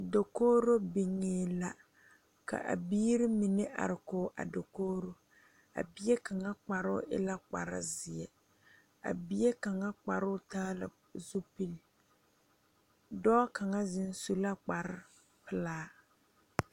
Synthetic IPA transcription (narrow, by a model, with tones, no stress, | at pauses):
do˨koː˦ɾo˦bi˨ŋeː˦la˦ | ka̰˨ʔa̰˨biː˦ɾɪ˦mi˨nɪ˦ʔa̰˨ɾɪ˨koː˦ʔa̰˨do˨koː˦ɾo˦ | a̰˨bi˦ɛ˦ka˨ŋa˦k͡pa˨ɾʊ̰˦ʔɪ̰˦la˦k͡pa̰˨ɾɪ̰˦zɪ˨ɛ˨ | a̰˨bi˦e˦ka˨ŋa˦k͡pa˨ɾʊ˦taː˦lɨ̰˨ | zu˦pi˦l | dɔː˦ka˨ŋa˦zɪ˦n˦su˦la˦k͡pa˨ɾɪ˦ | pɪ˦laː˦